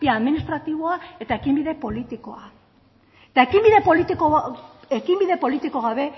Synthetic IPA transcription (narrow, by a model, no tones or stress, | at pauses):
iaːðminist̪ɾat̪iβ̞o̞ae̞t̪ae̞kimbiðe̞po̞lit̪iko̞a | et̪ae̞kimbiðe̞polit̪ikoekimbiðe̞po̞lit̪iko̞ɣaβ̞e̞